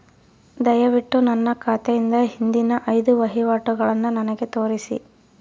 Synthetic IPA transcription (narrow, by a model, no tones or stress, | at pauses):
d̪ɐjɐʋiʈːunɐnːɐkʰaːt̪ejind̪ɐɦind̪inɐʔɐjd̪uʋɐɦiʋaːʈuɡɐɭɐnːunɐnɐɡe̞t̪o̞ːɾisḭ